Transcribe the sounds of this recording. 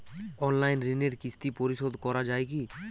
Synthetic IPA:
ɔnlajnɾineɾkist̪ipɔɾiʃod̪ʱkɔɾad͡ʒaeki

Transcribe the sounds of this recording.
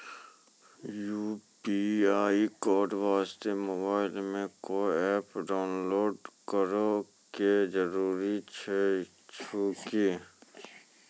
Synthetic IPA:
juːpiaːikɔːɖʋaːst̪emoːbaːɪlmẽkoɛːpɖaːʊnloːɖkəɾo | ked͡ʒəɾuːɾit͡ʃʰe | t͡ʃʰukeː

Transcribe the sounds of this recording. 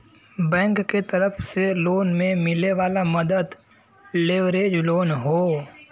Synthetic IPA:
bɛ̃ːŋkːet̪əɾəfʰseloːnmẽmɪleʋaːlamɐd̪əd̪ | leːʋɾeːd͡ʒloːnɦoː

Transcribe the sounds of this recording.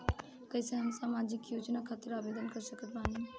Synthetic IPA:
kəɪseɦɐmsaːmaːd͡ʒɪkjuːd͡ʒnakʰaːt̪əɾaːbeːd̪ənkəɾsəkepɾaːn

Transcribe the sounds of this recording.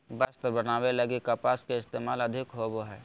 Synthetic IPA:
bɐst̪bənaːwelɐɡikapaːskeɪst̪eːmaːlɐd̪ʱɪkɦoboɦɛː

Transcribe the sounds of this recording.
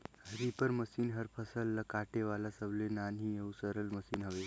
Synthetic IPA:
ɦɾipəɾməsiːnɦəɾpʰəsəlːəkaʈeʋalasəblenanɦĩjewsəɾəlməsiːnɦəʋe

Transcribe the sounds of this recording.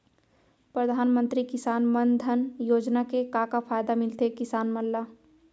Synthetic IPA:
pɾəd̪ʱaːnmə̃nt̪ɾikɪsaːnmənd̪ʱənjoːd͡ʒnakekakapʰaːjd̪amɪlt̪ekɪsaːnməlːa

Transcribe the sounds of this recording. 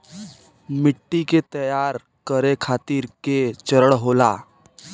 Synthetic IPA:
mɪʈːiket̪əjaːɾ | kəɾekʰaːt̪iɾket͡ʃəɾəɽɦolaː

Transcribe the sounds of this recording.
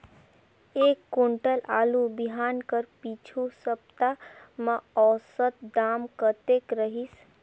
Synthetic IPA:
ekːuɳʈəlalubiɦankəɾpit͡ʃʰusəb̚t̪a | məɔsət̪̚d̪amkət̪ekɾəɦis

